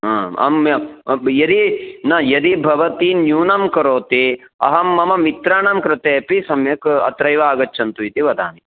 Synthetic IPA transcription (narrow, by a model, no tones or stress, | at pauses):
ɐ̃ːɐ̰mɐjɐd̪inɐjɐd̪ibʱɐʋɐt̪injuːnɐmkɐɾoːt̪eɐ̰ɦɐmːɐmɐmit̪ɾaːɳɐmkɾɪt̪eːpisɐmjɐkɐ̰t̪ɾɐjʋaːɡɐtːt͡ʃʰɐnt̪uit̪iʋɐd̪ʱa̰ːni